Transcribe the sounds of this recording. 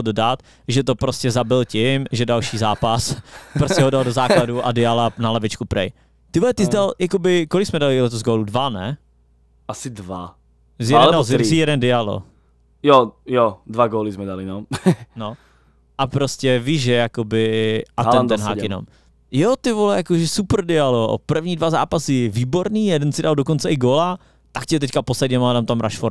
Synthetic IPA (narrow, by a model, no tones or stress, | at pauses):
dodat̪ | ʒɛt̪opɾoscɛzabɪlcɪmʒɛdalʃiːzaːpaspɾostɛɦodaldozaːkladuʔadɪalanalɛvɪt͡ʃkupɾɛ̰j | t̪ɪvolɛt̪ɪzdaljakobɪkolɪksmɛdalɪlɛt̪ozɡoːludvanɛ̰ | ʔasɪdva | zjɛdnɛdaszijɛdɛndɪalo̰ | jojodvaɡoːlɪzmɛdalɪnono | ʔapɾoscɛviʒʒɛjakobɪʔat̪ɛnt̪ɛnɦaːkjɛnom | jot̪ɪvolɛjakoʒɛsupr̩dɪalo̰pr̩vɲiːdvaza̰ːpasɪviːboɾniːjɛdɛnsɪdaldokont͡sɛʔɪɡoːla | t̪akcɛt̪ɛckaposlɛdɲɛmadamt̪amɾa̰ʃfoɾ